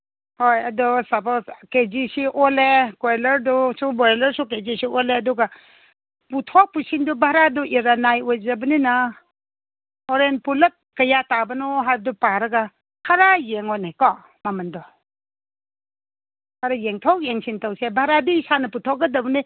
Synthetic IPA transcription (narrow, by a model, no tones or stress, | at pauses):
hojɐdɔsɐpozkezisiʔolekelɐɾdusubɔɾelɐɾsuk̬ezisioleɐduɡa | putʰɔk̚pusindubʱaɾaduʔiɾanajojzɐbɐnina | hɔɾenpulɐt̚kɐjatabɐnɔɦajb̚dupaɾɐɡa | kʰaɾajeŋɔnekɔ | mamɐndɔ | kʰaɾajeŋtʰɔk̚jeŋsintawsebʱaɾadiːsanɐputʰɔk̚ɡɐdɐbɐni